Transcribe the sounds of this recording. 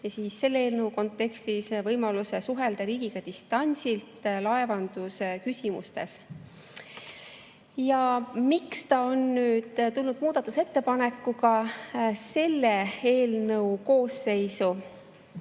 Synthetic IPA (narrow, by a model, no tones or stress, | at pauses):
jɑsiːsːe̞lːeeːlnɤwko̞nt̪ːˑe̞kst̪isvɤjmɑluse̞suɦe̞ld̪̥ɑɾiːɡ̥iɡ̥ɑd̪ist̪ɑnʲsilt̪lɑe̞vɑnd̪̥usekysʲimṵst̪e̞s | jɑmikst̪ɑo̞nːyːd̪̥t̪ulnud̪̥̚muːd̪̥ɑt̪ːˑu̥se̞t̪ːe̞pɑne̞kːuɡɑ | se̞lːee̞ːlnɤuko̞ːsːe̞jsu